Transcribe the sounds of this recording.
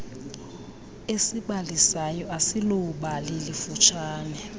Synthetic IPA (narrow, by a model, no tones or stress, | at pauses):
esiɓalisajɔʔasiloɓalelifut͡ʃʰaːnɛ